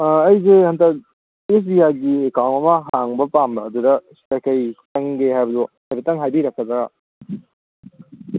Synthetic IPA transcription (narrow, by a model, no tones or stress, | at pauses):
ɐjzehɐntɐk | es̬biaɡiekawntɐmɐɦaŋbɐpambɐːdudɐstakɐjtɐŋɡeɦajbɐduhajbɐtɐŋɦajbiɾɐkʰːɐzɐɡa